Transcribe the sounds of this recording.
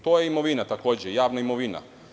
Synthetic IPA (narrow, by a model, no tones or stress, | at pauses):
t̪oːjeimo̞ʋinat̪akoːd͡ʑejaːʋnaimoʋina̰